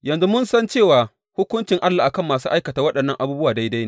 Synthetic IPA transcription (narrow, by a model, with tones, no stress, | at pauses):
jɐ˨nzu˦mʊ˦nsɐ˦nt͡ʃeː˦˨waː˨ | hʊ˦kʷʊ˦nt͡ʃɪ˨ŋʔa˦lːaː˨ʔa˨kɐ˦˨mːaː˨s̬uː˦ʔa˦jkɐ˨taː˨wɐ˦ɗɐ˨nːɐ˦ŋʔa˨buː˦bʊ˦waː˨da˦jda˦jne˦˨